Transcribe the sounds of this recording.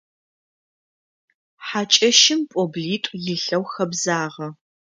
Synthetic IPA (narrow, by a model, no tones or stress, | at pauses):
ħaːt͡ʃʼɐʃɪmpʼobɮiːtʷʼjɪɬɐwxɐbzaːʁɐ